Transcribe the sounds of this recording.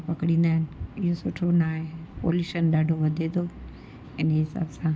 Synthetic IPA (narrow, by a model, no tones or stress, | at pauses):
pɐkɽĩːn̆d̪aːɦɪnɪɪɦosʊʈʰonaːɦepo̰ːljuːʃənɗaːɖʱoʋɐd̪ʱet̪o | ɪneɦɪsa̰ːbsã